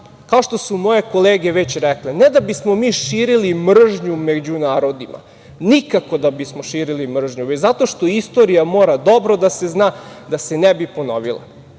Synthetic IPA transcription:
kaoʃt̪o̞sumo̞je̞ko̞leːɡe̞ʋet͡ɕɾɛklened̪abismo̞miːʃiːɾilimr̩ʒɲumed͡ʑunaːɾo̞d̪imʔa̰ | nikako̞d̪abismoʃiːɾilimr̩ʒɲuʋezat̪o̞ʃt̪o̞ist̪o̞ɾijamoːɾad̪o̞bɾo̞d̪ase̞znaːd̪asenebipo̞no̰ʋilˠa̰

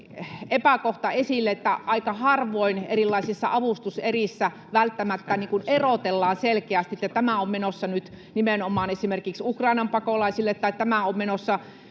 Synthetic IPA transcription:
epækoht̪ɑesilːeet̪ːæʔɑikɑhɑrʋoinḛrilːɑisisːɑ̰ʔɑʋust̪userisːæ | ʋælt̪ːæmæt̪ːæniːŋkunerot̪elːɑːnselkeæst̪iet̪ːæt̪æmæommenosːɑnyt̪ | nimenomˑɑːnesimerkiksukrɑinɑmpɑkolɑisilːet̪ːɑit̪æmæommenosːɑ

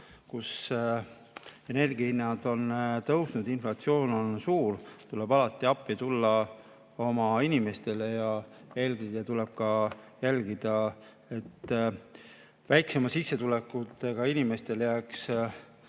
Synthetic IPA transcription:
kus | e̞ne̞rɡ̥ihinːɑd̪̥o̞nt̪ɤwsnud̪̥inflɑt̪sio̞ːno̞nsuːɾt̪ule̞bɑlɑt̪ˑːiɑpːit̪ulːɑ | o̞mɑinime̞st̪e̞le̞jɑe̞ːlɡid̪et̪ule̞b̥̚kɑjælɡ̥id̪̥ɑ | e̞t̪ː | væjkse̞mɑsisːe̞t̪ulekːˑut̪ːˑe̞ɡ̥ɑinime̞st̪e̞ljæːks

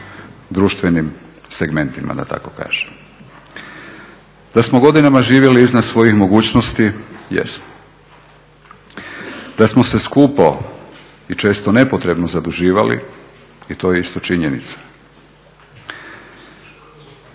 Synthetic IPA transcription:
d̪ɾuːʃt̪ʋe̞nim | seɡme̞nt̪ima̰d̪a̰t̪a̰ko̞ka̰ːʒ̥em | d̪asmoɡo̞d̪inamaʒiːʋje̞liiznad̪sʋo̞jixmo̞ɡuːt͡ɕnost̪ijḛsmo | d̪̥asmose̞skuːpo | it͡ʃe̞ːst̪one̞pot̪ɾe̞bnozad̪uʒiːʋalḭ | it̪o̞ːjeist̪o̞t͡ʃiɲenḭt̪sḁ

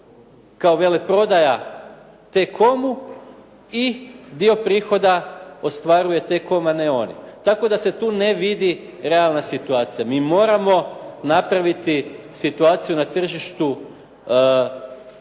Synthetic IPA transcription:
kao̞ʋe̞lepɾo̞d̪aja | t̪e̞kʰo̞mu | id̪io̞pɾiːxo̞d̪ao̞st̪ʋaɾuje̞t̪e̞ko̞maneo̞nḭt̪ako̞d̪aset̪uːne̞ʋid̪i | ɾe̞alˠnasit̪uaːt̪sijamiːmo̞ɾamo̞napɾaʋit̪isit̪uaːt̪sijunat̪r̩ʒiʃt̪u

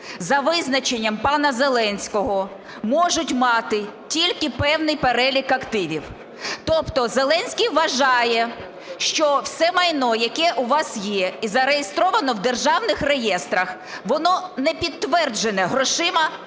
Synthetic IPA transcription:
zɐʋɪznɐt͡ʃenʲːɐmpɑnɐzelˠɛnʲsʲkɔɦɔ | mɔʒʊtʲmɑt̪ɪtʲilʲkɪpɛwnɪjpeɾɛlʲikɐkt̪ɪʋʲiw | t̪ɔpt̪ɔzelˠɛnʲsʲkijʋɐʒɑjɛ | ʃt͡ʃɔwsɛmɐjnɔjɐkɛʔuʋɑsjɛizɐɾejest̪ɾɔʋɐnɔwd̪erʒɑwnɪxrejɛst̪ɾɐx | ʋɔnɔnɛpʲid̪̚t̪ːʋɛrd͡ʒenɛɦɾɔʃɪmɐ

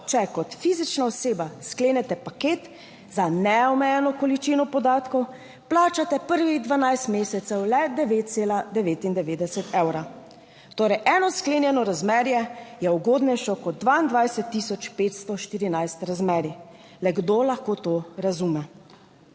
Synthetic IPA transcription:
t͡ʃɛkɔt̪fizit͡ʃnaɔseːbaskleːnɛt̪ɛpakeːt̪ | zanɛɔmɛjɛnɔkɔlit͡ʃiːnɔpɔd̪aːt̪kɔw | plaːt͡ʃat̪ɛpəɾʋiɣd̪ʋanajst̪meːsɛt̪sɛwlɛd̪ɛʋeːt̪̚t̪seːlad̪ɛʋeːt̪ind̪ɛʋeːd̪ɛsɛt̪ʰɛwɾa | t̪oːɾɛjʔɛːnɔskleːnjɛnɔɾazmɛːɾjɛjɛuɡoːd̪nɛjʃɔkɔd̪̚ːʋaind̪ʋajsɛt̪ːiːsɔt͡ʃpeːt̪st̪ɔʃt̪iːɾinajst̪ɾazmɛːɾi | lɛɡd̪oːlaxkoːt̪oɾazumɛ

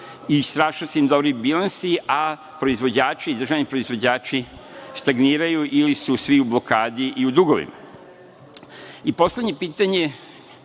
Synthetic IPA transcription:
ist̪ɾaːʃnoseimd̪obɾibilˠansiʔa | pɾo̞izʋo̞d͡ʑaːt͡ʃiːd̪ɾr̩ʒaʋnipɾo̞izʋo̞d͡ʑaːt͡ʃist̪aɡniːɾajuʔilisusʋiublo̞kaːd̪iʔiud̪uɡo̞ʋḭma̰ | ipo̞slʲed̪ɲe̞piːt̪aɲe̞

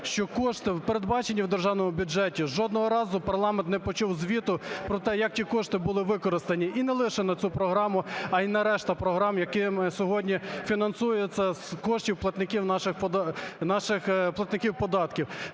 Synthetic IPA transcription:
ʃt͡ʃɔkɔʃt̪ɪwpeɾed̪bɑt͡ʃenʲːiwd̪erʒɑwnɔmʊbʲud͡ʒɛtʲiʒʒɔd̪nɔɦɔɾɑzʊpɐrlˠɑmɛnt̪nɛpɔt͡ʃuwzʲʋʲit̪ʊpɾɔt̪ɛjɐk̚tʲikɔʃt̪ɪbʊlˠɪʋɪkɔɾɪst̪ɐnʲiʔinɛlˠɪʃɛnɐt͡sʲupɾɔɦɾɑmʊɐinɐɾɛʃt̪ɐpɾɔɦɾɑmjɐkɪmɪsʲɔɦɔdʲnʲifʲinɐnsujʊjet͡sʲːɐzkɔʃtʲiwplˠɐt̪nɪkʲiwnɑʃɪxpɔnɑʃɪxplˠɐt̪nɪkʲiwpɔd̪ɑt̪kʲiw

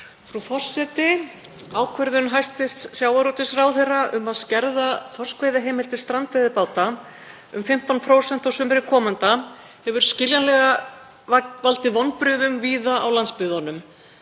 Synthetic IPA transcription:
fɾufɔr̥sɛt̪ɪ | aːwkʰvɛɾðʏnɦajst̪fɪst̪ssjaːwaɾut̪ɪsraːwθejraʔʏ̰maðscɛɾðafɔr̥skveːjðaɦeːjmɪl̥t̪ɪst̪ɾant̪vejðɪpaːwt̪a | ʏmfɪm̥t̪anpʰɾoːwsɛn̥t̪awsʏmɾɪkʰɔːmant̪a | hɛvʏɾ̥scɪljanlɛɣa | valt̪ɪvɔnpɾʏðʏmviːðaʔawlanspʏðanʏm

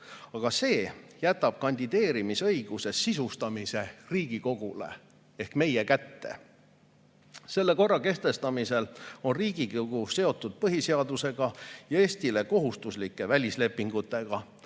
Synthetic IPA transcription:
ɑɡ̥ɑse̞ːjæt̪ːˑɑb̥̚kɑnʲd̪̥id̪̥e̞ːɾimisɤjɡ̥use̞sːisust̪ɑmise̞riːɡ̥iko̞ɡ̥ule̞̰ | e̞hkme̞jekæt̪ːe̞̰ | se̞lːe̞ko̞rːɑke̞st̪e̞st̪ɑmise̞lo̞nriːɡ̥ikoɡ̥use̞o̞t̪ˑːud̪̥̚pɤɦise̞ɑd̪use̞ɡ̥ɑjɑe̞ːst̪ile̞ko̞ɦust̪uslikːˑe̞vælʲisle̞pːˑiŋɡ̥ut̪ːˑe̞ɡ̥ɑ

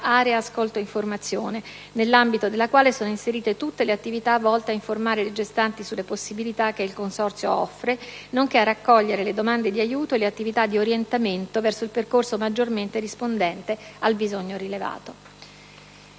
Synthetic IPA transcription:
aːɾeaːskolt̪oiɱformat̪sːjoːne | nelːambit̪od̪elːakwaːlesoːnoinseɾiːt̪et̪ut̪ːeleat̪ːivit̪avːɔlt̪eaiɱformaːɾeled͡ʒest̪ant̪isulːeposːibilit̪ak̟ːeilkonsɔrt̪sjoɔ̰fːɾenoŋk̟earːakːɔʎːeɾeled̪omand̪ed̪iajuːt̪oeleat̪ːivit̪ad̪ːioɾjent̪ament̪ovɛrsoilperkorsomad͡ʒːorment̪eɾispond̪ɛnt̪ealbizoɲːoɾileva̰ːt̪o

